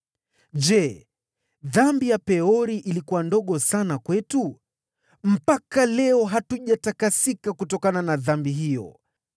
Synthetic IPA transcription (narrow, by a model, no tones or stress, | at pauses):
ʄɛ | ðambijapɛɔɾiʔilikuwandɔɠɔsanakwɛtu | m̩pakalɛɔɦatuʄatakasikakutɔkananaðambiɦijɔ̰